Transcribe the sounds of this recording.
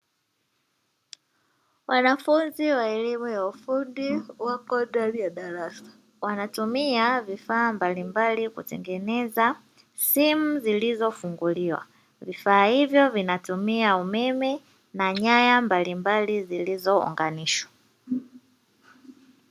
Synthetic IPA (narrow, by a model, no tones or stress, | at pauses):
wanafunziwaɛlimɔjaufundiwakɔdabjaɗaɾasḁ | wanatumiavifaːmbalimbalikṵtɛŋɡɛnɛza | simuzilizɔfuŋɡuliwa̰ | vifaːhivjɔvinatumiaumɛmɛ | naɲajambalimbalizilizɔɔ̰ŋɡaniʃwḁ